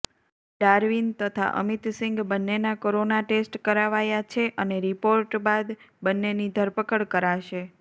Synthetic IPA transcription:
ɖaɾʋint̪ət̪ʰa̰ʔə̰mit̪sɪ̃ŋɡbənːenakoɾonaʈesʈkəɾaʋajat͡ʃʰeʔəneɾipoɾʈbad̪bənːenid̪ʱəɾpəkəɭkəɾaʃe

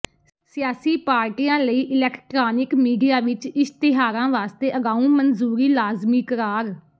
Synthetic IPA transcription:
sɪjaːsiːpaːɾʈiːjãːləiːʔɪlɛːkʰʈɾaːnɪkmiːɖijaːʋɪt͡ʃɪst̪ɪɦaːɾãːʋaːst̪eːʔəɡaːũːmənzuːɾiːlaːzmiːkəɾaːɾ

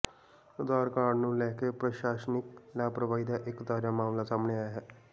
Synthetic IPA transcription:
ud̪aːɾkaːɽnũːlɛɦkepɾəɕaːʃəniklaːpɾəʋaːid̪aʔekd̪aːɾjamaːmlasaːmɳeaːjɦɛː

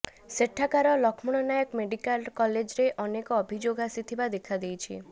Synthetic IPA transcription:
seʈʰːakaɾɔlɔkʰmuɽ̃ɔnajɔkmeɖikalkɔled͡ʒɾeʔɔnekɔːbʱid͡ʒoɡasit̪ʰibad̪ekʰad̪ejt͡ʃʰḭ

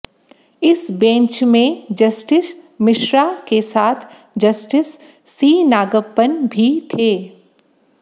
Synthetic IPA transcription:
ɪsbẽːt͡ʃmẽd͡ʒɐsʈɪsmɪʃɾakesaːt̪ʰ | d͡ʒɐsʈɪsː | iːnaːɡəɡpənbʱit̪ʰeː

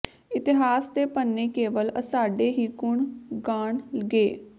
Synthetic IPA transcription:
ɪt̪ɪɦaːsd̪eːpənːeːkeːʋələsaːɖeːɦiːkʊɳɡaːɳləɡeː

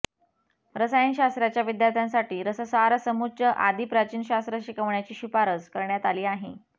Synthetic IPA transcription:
ɾəsajinɕast̪ɾat͡ɕjaʋid̪jaɾt̪ʰjansaʈiːɾəsəsaɾsəmut͡ɕəʔad̪iːpɾat͡ɕiːnɕast̪ɾəɕikəʋɳjat͡ɕiːɕipaɾət͡skəɾɳjat̪aliːaɦe

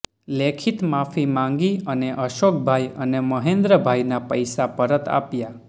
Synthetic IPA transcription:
lekʰit̪mafimãŋɡiəneʔəʃok̚ʰbʱajəneməɦẽnd̪ɾəbʱajnapəjsapəɾət̪a̰pja

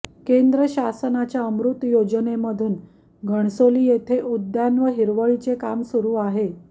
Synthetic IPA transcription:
kend̪ɾəɕasənat͡ɕjaəmɾut̪jod͡ʑəneməd̪ʱuːn | ɡʱəɳ̃soliːjet̪ʰeʔud̪janʋəɦiɾʋəɭit͡sekamsuɾuːaɦe

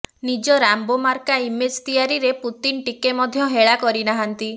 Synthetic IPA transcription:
nid͡ʒɔɾambomaɾkaimed͡ʒt̪ijaɾiɾeput̪inʈikemɔd̪ʱjɔɦeɭakɔɾinaɦant̪i

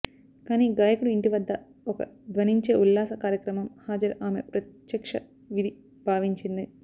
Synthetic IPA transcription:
kaːniɡaːjɐkuɽuiɳɖiʋɐd̪ːɐ | okːɐ̰d̪ʋɐniɲt͡ʃeːʔulːaːsɐkaːɾjɐkɾɐmɐmhaːd͡ʒɐɾaːmḛpɾɐt̪jɐkʂɐ | ʋid̪ʱi | bʱaːʋiɲt͡ʃind̪ɨ

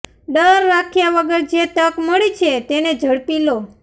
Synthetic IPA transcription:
ɖəɾːakʰjaʋəɡəɾd͡ʒet̪əkməɭit͡ʃʰet̪ened͡ʒʱəɽpilo

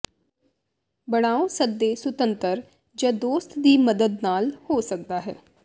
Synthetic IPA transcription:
bəɽ̃aːosəd̪ːeːsət̪ənt̪əɾ | d͡ʒãːd̪oːst̪d̪iːməd̪əd̪naːlhoːsək̚d̪aːɦɛː

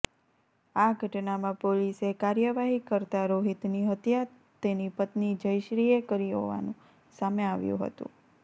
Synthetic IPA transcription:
aɡʱəʈnamãpolisekaɾjəʋaɦikəɾt̪aɾoɦit̪niɦət̪ja | t̪enipət̪nid͡ʒəjʃɾiekəɾiɦo̰ʋa̰nũ | sameaʋjṵ̃ɦə̰t̪ṵ̃

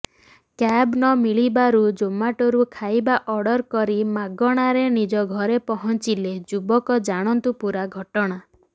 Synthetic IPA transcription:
kabnɔmiɭibaɾud͡ʒomaʈɔɾukʰajbaʔɔɽɔɾkɔɾimaɡɔɽ̃aɾenid͡ʒɔɡʱɔɾepɔɦɔnt͡ʃiled͡ʒubɔkɔd͡ʒaɽ̃ɔnt̪upuɾaɡʱɔʈɔɽ̃a

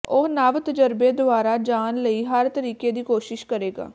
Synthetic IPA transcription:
ʊɦnəʋt̪əd͡ʒəɾbeːd̪ʊaːɾaːd͡ʒaːnləiːɦəɾt̪əɾiːkeːd̪iːkoːʃɪʃkəɾeːɡa̰ː

